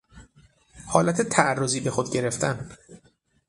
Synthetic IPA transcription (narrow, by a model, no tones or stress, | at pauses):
hɒːlæt̪ʰe̞t̪ʰæærːoziːbe̞xod̪ɟe̞ɾe̞ft̪ʰæn